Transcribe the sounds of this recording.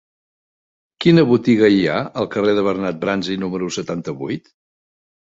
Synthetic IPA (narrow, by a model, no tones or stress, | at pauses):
kinəβut̪iɣəia̰əlˠkəreðəβərnat̪̚bɾanzinuməɾusət̪ant̪əβujt̪